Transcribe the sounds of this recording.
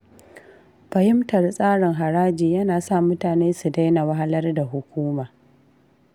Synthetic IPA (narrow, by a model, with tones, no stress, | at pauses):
ɸɐ˨jɪ˦mtɐ˨rsʼaː˦ɽɪ˨ŋɦa˨ɽaː˦d͡ʒiː˨jɐ˦naː˨sa˦˨mʊ˦taː˨neː˦su˨da˦jna˨wɐ˦ɦa˦lɐ˦rda˨ɦʊ˨kʷuː˦maː˨